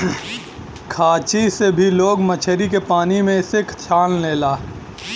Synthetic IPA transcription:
kʰaːt͡ʃisebʱiloːɡmət͡ʃʰəɾikepaːnimẽɪsekʰt̪ʰjaːlleːlaː

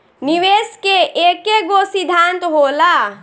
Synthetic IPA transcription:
niʋeskeʔekeɡosid̪ʱant̪ɦola

